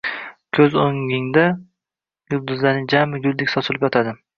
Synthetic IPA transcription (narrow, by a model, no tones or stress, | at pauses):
kʲʰɵzoŋɪŋd̪a | jʊld̪ʊzlaɾnɪd͡ʒamɪɡʲʊlˠd̪ɪkʲsɒt̪ʰʊlˠɪpjɒt̪ʰad̪ɪ